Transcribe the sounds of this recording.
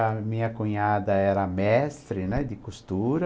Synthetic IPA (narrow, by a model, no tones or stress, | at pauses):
ɐmĩɲɐkuɲad̪ɐɛɾɐmɛst̪ɾɪnɛd̪ɪkust̪uɾɐ